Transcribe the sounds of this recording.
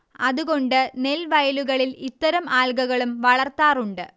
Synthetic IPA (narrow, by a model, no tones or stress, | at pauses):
ɐðuɣo̞ɳɖɨne̞lʋɐjɐluɣɐɭilit̪ːɐɾɐmaːlɡɐɣɐɭumʋɐɭɐrt̪aːruɳɖɨ